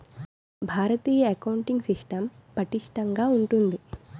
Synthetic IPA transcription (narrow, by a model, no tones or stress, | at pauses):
bʱaːɾɐt̪iːjɐɐkɐwuɳʈiŋɡsiʂʈɐmpɐʈiʂʈɐŋɡaːuɳʈund̪i